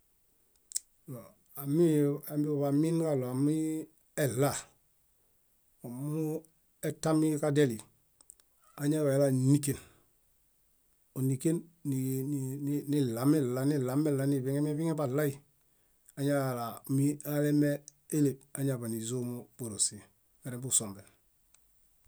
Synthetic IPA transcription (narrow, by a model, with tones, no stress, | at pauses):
lo˨ | a˨mi˦a˨mi˦o˨βa˨mi˦nka˦lo˨a˨mi˦ | e˨lːa˦˨ | o˨mu˦ | eta˦mi˦ka˦de˦li˨ | a˨ɲa˦βa˨e˨la˨ni˦ke˨n | o˨nike˦nːinni˦la˨me˦la˨ni˦la˨me˦la˨ni˨biŋe˦mi˦βi˦ŋe˦ba˨la˦i | aɲa˦a˨la˨mi˦ale˦me˦ | e˦le˨a˨ɲa˨ba˨ni˨zo˦mob̥o˨ɾo˨si˨ | be˨ɾe˨mbuso˨mbe˨n